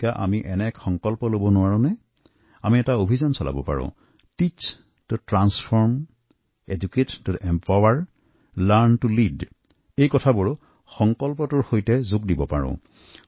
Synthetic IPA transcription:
kaʔamiʔɛnɛkxɔŋkɔlpɔlobɔnʊwaɹʊ̃nɛ | amiɛtaobʱizɔnsɔlʔa̰bɔ̰pa̰ɹʊ̰̃ | tit͡ʃ | tʊtɹanspʰɔɹm | ed͡ʒukettʊtɛmpawaɹ | laɹntulid | ejkɔtʰabʊɹ | xɔŋkɔlpɔtʊɹxojtɛzʊkdibɔpa̰ɹɔ̰̃

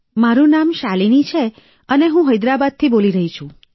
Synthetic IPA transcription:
maɾũnamʃalinit͡ʃʰe | əneɦũɦəjd̪ɾabad̪̚t̪ʰiboliɾəɦit͡ʃʰũ

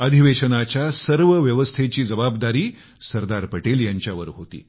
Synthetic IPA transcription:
əd̪ʱiʋeɕənat͡ɕjasəɾʋəʋjəʋəst̪ʰet͡ɕiːd͡zəbabd̪aɾiː | səɾd̪aɾpəʈeljaɲt͡ɕjaʋəɾɦot̪ḭː

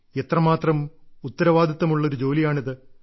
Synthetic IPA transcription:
et̪rɐmaːt̪rɐmut̪ːɐɾɐʋaːd̪ʱit̪ːɐmuɭːɐo̞ɾud͡ʑo̞ːlijaːɳiðɨ

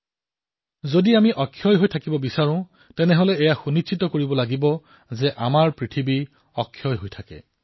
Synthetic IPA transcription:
zodiamiʔɔkʰːjɔjɦojtʰakibɔbisaɹʊ̃ | tɛnɛɦolɛɛjaxunit͡ʃʰitɔkoɹibɔlaɡibɔ | zɛʔamaɹpɹitʰibi | ɔkʰːjɔjɦojtʰakɛ̰

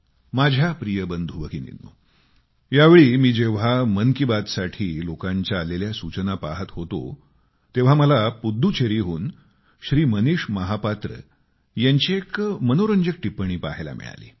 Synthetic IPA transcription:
mad͡ʑʱjapɾijəbənd̪ʱuʋəkinḭnːṵ | jaʋeɭiːmiːd͡ʑeʋ̤amənkibad̪saʈʰiːlokaɲt͡ɕjaːleljasut͡ɕənapaɦət̪ɦot̪o̰ | t̪eʋ̤aməlapud̪ʱːut͡ɕʰeɾiɦuːn | ɕɾiːməniʂməɦapat̪ɾə̰ | jaɲt͡ɕiekmənoɾəɲd͡ʑək̚ʈipːəɳ̃iːpa̰ɦela̰mḭɭa̰lḭː

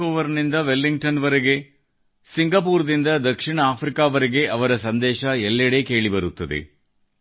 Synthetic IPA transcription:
oːʋɐɾnind̪ɐʋelːiŋɡʈɐnʋɐɾeɡe̞ | siŋɡɐpuːɾd̪ind̪ɐd̪ɐkʂiɳɐaːpɾikaːʋɐɾeɡe̞ʔɐʋɐɾɐsɐnd̪ɛːʃɐɛlːɐɽeːke̞ːɭibɐɾut̪ːɐd̪ḛ

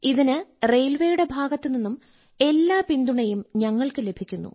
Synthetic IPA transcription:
iðinɨre̞jlʋejuɽe̞bʱaːɡɐt̪ːɨninːum | e̞lːaːpind̪uɳɐjumɲɐŋːɐɭkɨle̞bʱikʲːunːṵ

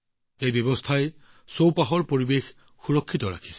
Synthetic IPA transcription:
ejbjɔbɔstʰaj | sowpaɦɔɹpoɹibex | xuɹɔkʰːitɔɹa̰kʰi̥sɛ̥

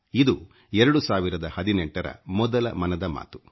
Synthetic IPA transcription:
id̪u | ɛɾɐɽusaːʋiɾɐd̪ɐhɐd̪inɛɳʈɐɾɐ̰mɔd̪ɐlɐ̰mɐnɐd̪ɐma̰ːt̪u̥

